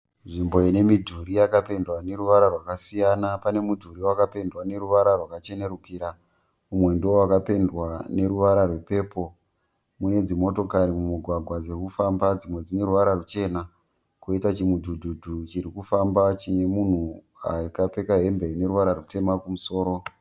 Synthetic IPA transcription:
nʐimbo̞ine̞midʱuɾijakape̞ndwane̞ɾuʋaɾarwakasijanapane̞mudʱuɾiwakape̞ndwane̞ɾuʋaɾarwakat͡ʃe̞ne̞rukiːɾa | umwe̞ndiwo̞wakape̞ndwane̞ɾuʋaɾarwe̞pe̞ːpo̞ | mune̞d͡zimo̞to̞kaɾimumuɡʱwaɡʱwad͡zirikufambad͡zimwe̞d͡zine̞ɾuʋaɾarut͡ʃe̞ːna | kuitat͡ʃimudʱudʱudʱut͡ʃiɾikufambat͡ʃinemun̤u | a̰rikape̞kaɦe̞mbeine̞ɾuʋaɾaɾute̞makumuso̞ːɾo̞

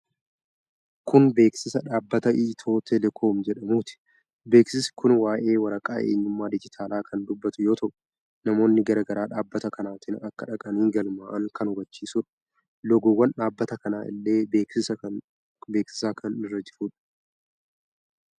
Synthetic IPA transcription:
kʊnbe̞ːksɪsɐᶑaːbːɐt̪ɐʔiːt̪ʰo̞ːt̪ʰɛlɛkʰo̞ːmd͡ʒɛᶑɐmuːt̪ɪ̥ | be̞ːksɪsɪ̥kʊnwaːʔe̞ːwɐɾɐkʼa̰ːʔe̞̰ːɲːʊmːaːd̪ɪd͡ʒɪt̪ʰaːlaːkʰɐnd̪ʊbːɐt̪ʊjo̞ːt̪ʰɐʔʊ | nɐmo̞ːnːɪɡɐɾɐɡɐɾaːᶑaːbːɐt̪ɐkɐnaːt̪ɪnɐkːɐᶑɐkʼɐniːɡɐlmaːʔɐŋkɐnhʊbɐt͡ʃːiːsʊᶑɐ̥ | lɔɡɔwːɐnᶑaːbːɐt̪ɐkɐnaːʔɪ̰lːe̞ːbeːksɪsɐ | be̞ːksɪ̥saːkʰɐnɪrːɐd͡ʒɪfuːᶑɐ̥

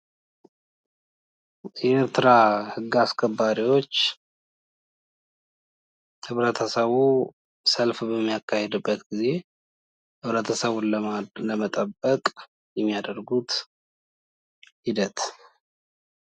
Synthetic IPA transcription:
jɛeɾt̪ʰɨɾahɨɡːaskʰəbːaɾiwo̞t͡ʃː | hɨβɾət̪ʰəsəβu | səlfbəmːijakːahed̪ɨbːət̪ɡize̞ | hɨβɾət̪ʰəsəβunləmət̪ʼəbːəkʼ | jɛmːijad̪əɾɡut̪ | hid̪ət̪

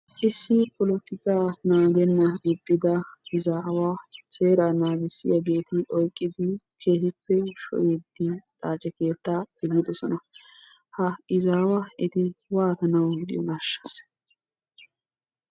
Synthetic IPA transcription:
ʔɪsːɪpʰɔlɔt̪ɪkaːnaːɡɛnːɐɪd̪ːɪd̪ɐɪzaːwaːseːɾanaːɡɪsːɪ̰jɐɡe̞ːt̪ɪʔɔjkʼːɪd̪ɪkʰe̞ːhɪpːɛʃɔ̰ʔed̪ːɪt̪ʼaːt͡ʃʼɛke̞ːt̪ːaːɪlɪd̪ɔsɔnɐ | hɐɪzaːwaɪt̪ɪwaːt̪ɐnɐwd̪ɪ̰jɔnaːʃːɐ̥s

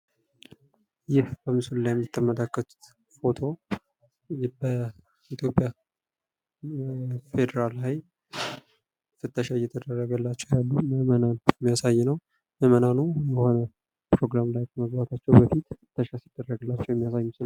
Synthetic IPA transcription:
jɪhbəmɨsullajɛmːit̪ʰːəməlakːət̪u̥t̪ | fo̞t̪ʰo̞ | bə | it̪ʰjo̞pʼːja | fe̞d̪əɾalhaj | fɨt̪ːəʃajɛt̪ʰəd̪ərːəɡəlːat͡ʃːɛwjalːuməmənanɛmːijasajːnəw | məmənanujəho̞nə | pɾo̞ɡɾamlajkəməɡbat̪ʰat͡ʃːɛwbəfit̪ɨt̪ːəʃasid̪̥ːərːəɡəlːat͡ʃːɛwjɛmːijasajːmɨsɨna

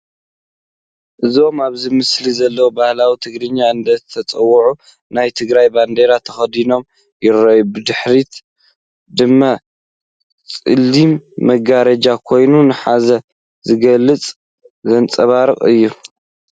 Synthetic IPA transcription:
ʔɨzio̞maβzimɨslizɐlːɐwobahlawit̪ʰɨɡɾɨɲːaɨnd̪ɐt̪ʰɐt͡sʼɐwːɐʕu | najt̪ʰɨɡɾajband̪eɾat̪ʰɐxɐd̪ino̞m | jɪrːɐjubɨd̪ɨħɾit̪ | d̪ɨmːa | t͡sʼɨlːimːɐɡaɾɐd͡ʒakʰo̞jnunɨħazɐ | zɨɡɐlːɨt͡sʼ | zɐnt͡sʼɐβaɾɨχʼɨ̰jːu

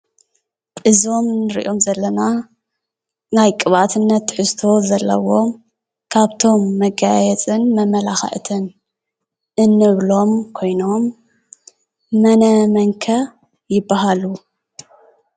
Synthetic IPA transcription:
ʔɨzo̞mnɨɾḭʔo̞mzɐlːɐna | najkʼɨβat̪ʰɨnːɐt̪ːħɨst̪ʰo̞zɐlːɐ̰wo̞m | kʰaβt̪ʰo̞mːɐɡajɛt͡sʼɨnmɐmɐlaxɐ̰ʔt̪ʰɨn | ʔɨnːɨβlo̞mkʰo̞jno̞m | ɐnɐmɐŋkʰɐ | jɪbːaɦalu

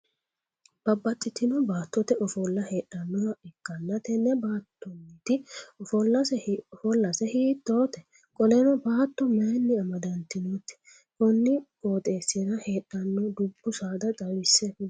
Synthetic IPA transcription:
b̥ɐbːɐt̪ʼːɪt̪ɪnɔbaːt̪ːɔt̪ɛʔɔfɔlːɐheːᶑːɐnːɔwɐɛkːɐnːɐt̪ɛnɛbaːt̪ːɔnːɪt̪ɪɔfɔlːɐsɛɔfɔlːɐsɛhiːt̪ːoːt̪ɛ | kʼɔlɛnɔbaːt̪ːɔmɐjnːɪɐmɐd̪ɐnt̪ːɪnot̪ɛ̥ | kɔnːɪkʼoːt̪ʼe̞ːsːɪɾɐheːᶑːɐnːɔd̪ʊbːʊsaːd̪ɐd̪ɐwɪsːɛ

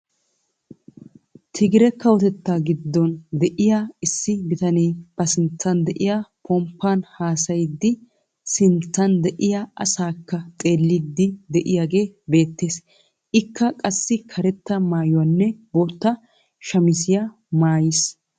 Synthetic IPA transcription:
t̪ʰɪɡɪɾɛkːɐwɔt̪ɛt̪ːaːɡɪd̪ːɔnd̪ɛʔɪjaɪsːɪbɪt̪ɐneːb̥ɐsɪnt͡sːɐnd̪ɛʔɪjapʰɔmpːanhaːsɐjɪd̪ːɪ | sɪnt͡sːɐnd̪ɛʔɪjaʔɐ̰saːkːɐt̪ʼe̞ːlːɪd̪ːɪd̪ɛʔɪjaːɡe̞ːbe̞ːt̪ːe̞ːs | ʔɪkːɐkʼɐsːɪkʰɐɾɛt̪ːɐmaːjʊwɐnːɛboːt̪ːɐ | ʃɐmɪs̬ɪja | maːjɪs

